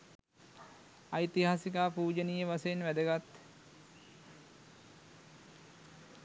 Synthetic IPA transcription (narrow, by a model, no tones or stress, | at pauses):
ajt̪iɦaːsikaːpuːd͡ʒənijəʋasəjenʋæd̪əɡat̪